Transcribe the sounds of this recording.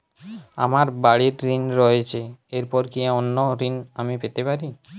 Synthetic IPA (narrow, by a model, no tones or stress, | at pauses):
a̰maɾbaɽeɾɾinɾɔet͡ɕʰeeɾpɔɾkiaonːoɾinamipet̪epaɾi